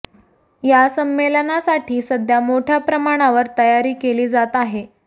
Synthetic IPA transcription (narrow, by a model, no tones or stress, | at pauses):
jasəmːelənasaʈʰiːsəd̪ʱjamoʈʰjapɾəmaɽ̃aʋəɾt̪əjaɾiːkeliːd͡zat̪aɦe